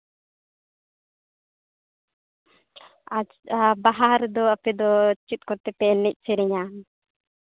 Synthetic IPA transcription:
a | abaɦaɾd̪ɔɐpɛd̪ɔt͡ʃːit̪̚ˀkɔɾt̪ɛpɛlnɛc̚ˀsʰiɾɛɲan

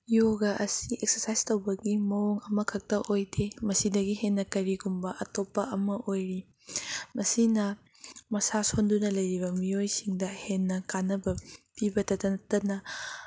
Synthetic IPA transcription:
joɡɐʔɐsiʔek̚sɐɾsajstowbɐɡimɐwoŋɐmɐkʰɐk̚tɐʔojdemɐsidɐɡiɦenːɐkɐɾiɡumbɐʔɐtopːɐʔɐmɐʔojɾi | mɐsinɐ | mɐsasondunɐlɐjɾibɐmiojsiŋdɐhenːɐkanːɐbɐpibɐtɐtɐntɐnɐ

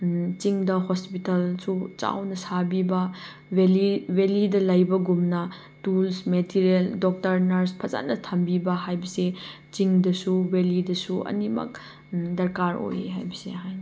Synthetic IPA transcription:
t͡ʃiŋdɐɦospitɐlsut͡ʃa̰wnɐsabibɐ | weliwelidɐlɐjbɐɡumnɐ | tulsmetʰiɾeldok̚tɐɾnɐɾspʰɐza̰nɐtʰɐmbibɐɦajbɐse | t͡ʃiŋdɐsuwelidɐsuʔɐ̰nimɐ̰k̚ | dɐɾkaɾo̰jeɦa̰jbɐsḛɦajn

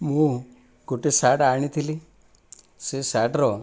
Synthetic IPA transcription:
mũ | ɡoʈesaʈaɳ̃it̪ʰili | sesaʈɾɔ

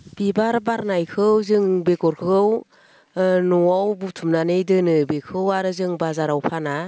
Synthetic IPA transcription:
b̥ibaɾbaɾnajkʰɯwzɯŋbekɔɾkʰɯɡɯw | nɔawbutʰumnanɯjdɯnɯbekʰɯwaɾɯzɯŋbazaɾawpʰana

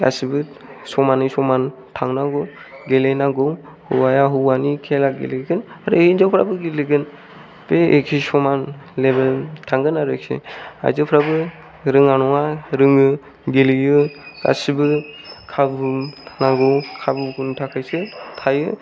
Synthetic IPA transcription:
ɡa̰sibɯ | sɔmanɯjsɔman | tʰaŋnaɡɯw | ɡelejnaɡɯw | huwajaɦɯanikʰelaɡḛleɡɯnaɾɯinzawpʰɾa̰bɯɡiliɡɯn | b̥eekʰisɔmanlebeltʰaŋɡɯnaɾɯkʰḛa̰jzɯpʰɾabɯ | ɾɯŋanɔŋaɾɯŋɯ | ɡelɯjɯɡ̥a̰sibɯkʰabɯnaɡɯwkʰabɯkʰuntʰakʰajsɯtʰajɯ

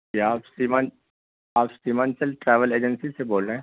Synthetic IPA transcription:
eaːpsimãn | aːpsimãːnsəlʈɾɛːʋəleːd͡ʒə̃nsiseboːlɾeɦɛ̃

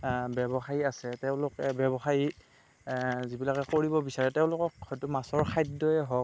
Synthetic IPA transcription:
bɛbɔxajiasɛtɛʊ̃lʊkɛbjɛbɔxaji | zibilakɛkoɹibɔbisaɹɛtɛʊ̃lʊkɔkhɔjtʊmasɔɹkʰajdɔjɛɦɔk

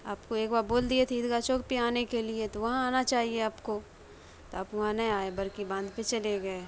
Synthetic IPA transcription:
aːpkoeːkbaːɾboːld̪iet̪ʰiɪd̪kat͡ʃoːk̚piaːnekeliet̪oʋɐɦãaːnat͡ʃaːɦieaːpko | t̪oaːpʋɐɦãnɐĩaːebɐɾkibãːnd̪pẽt͡ʃɐleɡɐe

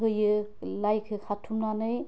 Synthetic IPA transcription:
ɦɯjɯlajkʰɯkʰatʰːumnanɯj

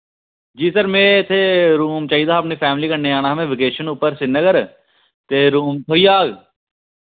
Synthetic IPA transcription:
d͡ʒiːsəɾmẽːɪt̪ʰeɾuːmt͡ʃaːɦiːd̪aːəpnipʰɛːmɪliːkənːeaːñaɦmẽːʋɪkeːʃənuːpəɾsɪnəɡəɾ | t̪eːɾuːmt̪ʰoːiːaːɡ

